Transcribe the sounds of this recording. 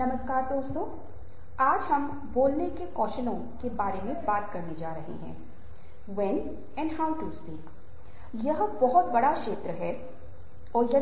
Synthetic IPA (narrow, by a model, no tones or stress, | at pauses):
nɐməskaːɾt̪õʊsk̪õː | aːd͡ʒɦɐm | boːlnekekɔːʃənõ | kebaːɾemẽbaːt̪kɐɾned͡ʒaːɾɐɦḛɦɛ̰̃ː | ʋɛn | ɛ̃ːɳɖɦaːʊʈuspiːk | jɐɦbɔɦʊt̪bɐɽakʃeːt̪ɾəɦɛː | ɔːɾjɐ